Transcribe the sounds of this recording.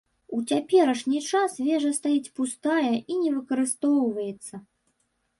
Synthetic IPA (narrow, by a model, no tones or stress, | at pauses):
ut͡sʲapʲɛɾɐʂnʲit͡ʂasvʲɛʐɐst̪ajit͡sʲpust̪ajɐʔinʲɛvɨkɐɾɨst̪ɔwvɐjɛt̪sːɐ